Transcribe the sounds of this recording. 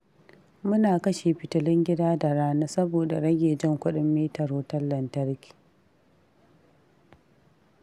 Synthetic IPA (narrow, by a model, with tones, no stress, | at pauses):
mʊ˦naː˨kɐ˦ʃe˨ɸɪ˨tʊ˨lɪ˦ŋɡʲɪ˦daː˦da˨ɾaː˦na˦sɐ˦boː˨da˨ɽɐ˦ɡʲeː˨d͡ʒɪ˦˨ŋkʷʊ˦ɗɪ˦mːiː˦tɐ˨ɾoː˦tɐ˦lːɐ˨ntɐ˦ɾkʲi̥˨